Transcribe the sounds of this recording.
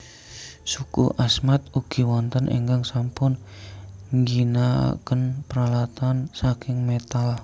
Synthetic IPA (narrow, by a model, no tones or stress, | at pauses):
sukṵʔasmat̪uɡ̥i̤wɔnt̪ənʔḛŋɡaŋsampʊn | ŋɡinakənpəɾalat̪ansakɪŋmet̪al